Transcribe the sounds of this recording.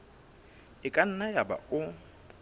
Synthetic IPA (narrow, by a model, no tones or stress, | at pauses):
ɪkʼan̩najaba̰ʊ